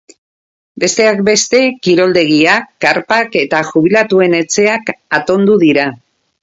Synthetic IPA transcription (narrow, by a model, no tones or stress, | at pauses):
be̞st̪e̞ak̚be̞st̪e̞kiɾo̞ld̪e̞ɣ̞iakːaɾpake̞t̪aʝuβ̞ilat̪ue̞ne̞t͡se̞akat̪o̞nd̪uðiɾa